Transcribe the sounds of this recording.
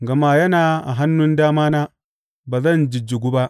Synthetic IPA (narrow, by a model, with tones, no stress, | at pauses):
ɡɐ˨maː˦jɐ˦naː˨ʔa̰˨ɦa˦nːʊ˦ndaː˦maː˦naː˦ | baː˨zɐ˦˨nd͡ʒɪ˨d͡ʒɪ˨ɡʷu˦ba˦ʔ